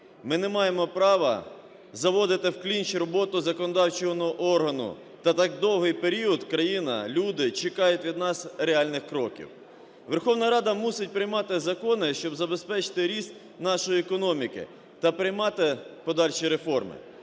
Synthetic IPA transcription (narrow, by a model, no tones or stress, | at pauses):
mɪnɛmɑjemɔpɾɑʋɐ̰ | zɐʋɔd̪ɪt̪ɪwklʲinʲt͡ʃiɾɔbɔt̪ʊzɐkɔnɔd̪ɑwt͡ʃɔɦɔnɔʔɔrɦɐnʊ̰ | t̪ɐt̪ɑk̚d̪ɔwɦɪjpeɾʲiɔd̪kɾɐjinɐ̰lʲud̪ɪt͡ʃekɑjʊtʲʋʲid̪nɑsɾeɑlʲnɪxkɾɔkʲḭw | ʋerxɔwnɐɾɑd̪ɐmusɪt̚ʲpɾɪjmɑt̪ɪzɐkɔnɪʃt͡ʃɔbzɐbe̞spɛt͡ʃɪ̥t̪ɪɾʲist̪ | nɑʃɔjiɛkɔnɔmʲikɪ̰ | t̪ɐpɾɪjmɑt̪ɪpɔd̪ɑlʲʃiɾefɔrmɪ̰